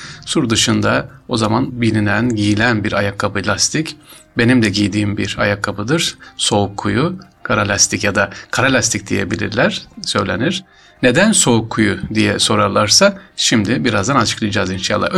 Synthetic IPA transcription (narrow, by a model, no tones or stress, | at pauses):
suɾd̪ɯʃɯnd̪ao̞zamanbilʲinænɟijilʲænbiɾajakʰːabɯlʲast̪ʰic | be̞nimd̪ɛɟijd̪iːmbiɾa̰jakʰːabɯd̪ɯɾ̥so̞ukʰːuju | kʰaɾalʲast̪ʰicjad̪akʰaɾalʲast̪ʰic̚d̪ije̞̰bilʲḭɾlʲæɾ̥sø̞̰jlʲe̞̰niɾ̥ | ne̞d̪ænso̞ukʰːujud̪ijɛso̞ɾalˠaɾsaʃimd̪ɪbiɾazd̪anat͡ʃʰɯ̥klˠɯd͡ʒaːzinʃa̰lˠːa̰